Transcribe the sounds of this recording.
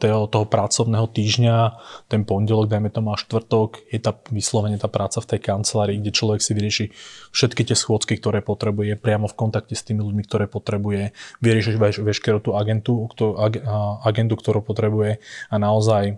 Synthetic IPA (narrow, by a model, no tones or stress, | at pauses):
t̪ɛɦɔt̪ɔɦɔpɾat͡sɔʊnɛːɦɔt̪iːʒɲat̪ɛnpɔɲɟɛlɔɡ̚d̪ajmɛt̪ɔmuaʃt̪ʋr̩t̪ɔɡjɛt̪aːʋislɔʋɛɲɪɛt̪aːpɾʔaːt͡saft̪ɛjkant͡sɛlaːɾiːɡɟɛt͡ʃlɔʋɛksiʋiɾɪɛʃifʃɛt̪kit̪ɪɛsxʊɔt͡skikt̪ɔɾɛːpɔt̪ɾɛbujɛpɾɪamɔfkɔnt̪akcɛst̪iːmiluɟmikt̪ɔɾɛːpɔt̪ɾɛbujɛʋiɾɪɛʃiɛʋɛʃkɛɾut̪uːaɡɛnt̪ut̪ɔaaɡɛnd̪ukt̪ɔɾuːpɔt̪ɾɛbujɛanaɔzaj